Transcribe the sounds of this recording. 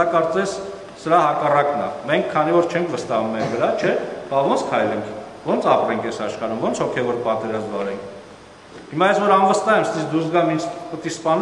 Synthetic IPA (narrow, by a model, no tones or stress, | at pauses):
ɑkɑɾt͡sɛs | səɾɑɦɑkɑrɑknɑ̰mɛŋkʰːɑnivɔɾt͡ʃʰɛŋkʰvəst̪ɑhummɛɾvəɾɑt͡ʃʰɛb̥ɑvɔnt͡sʰkʰɑjlɛŋkʰ | vɔnt͡sʰɑpɾɛŋkʰɛsɑʃχɑɾumvɔnt͡sʰhɔkʰɛvɔɾpɑt̪ɛɾɑzmvɑɾɛŋkʰ | himɑjɛsvɔɾɑnvəst̪ɑhɛmst̪ɛsd̪usɡɑmint͡ʃʰpət̪ispɑn